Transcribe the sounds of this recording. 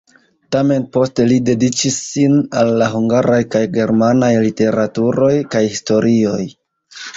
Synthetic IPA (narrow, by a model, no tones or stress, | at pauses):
tame̞npo̞ste̞lide̞dit͡ʃisːinalːaɦuŋɡaɾajkajɡe̞ɾmanajlite̞ɾatuɾo̞jkajhisto̞ɾʔio̞j